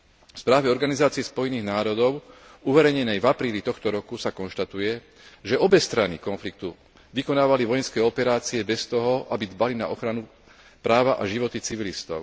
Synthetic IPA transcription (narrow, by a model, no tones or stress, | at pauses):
fspɾaːʋɛɔɾɡanizaːt͡siɛspɔjniːɣnaːɾɔd̪ɔʊ | uʋɛɾɛjɲɛnɛjvapɾiːlit̪ɔxt̪ɔɾɔkusakɔnʃt̪at̪ujɛ | ʒɛɔbɛst̪ɾanḭkɔnflik̚t̪u | ʋikɔnaːʋaliʋɔjɛnskɛjɔpɛɾaːt͡siɛbɛst̪ɔɦɔʔabid̪balina̰ʔɔxɾanu | pɾaːʋaʔaʒiʋɔt̪it͡siʋilist̪ɔ̰ʊ